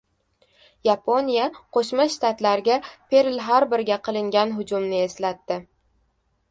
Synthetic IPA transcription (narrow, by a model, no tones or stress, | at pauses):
japʰo̞nijaqʰoʃmaʃt̪at̪laɾɡʲapʰe̞ɾɪlɦaɾbɪɾɡʲaqʰɨlˠɪŋɡʲanɦʊd͡ʒʊmnɪe̞slat̪ːɪ